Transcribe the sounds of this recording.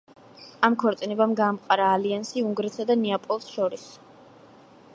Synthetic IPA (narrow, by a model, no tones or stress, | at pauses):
amkʰɔɾt̪sʼinɛbamɡaːmqʼaɾaːliansiuŋɡɾɛt̪sad̪anɛapʼɔlˠsʃɔɾis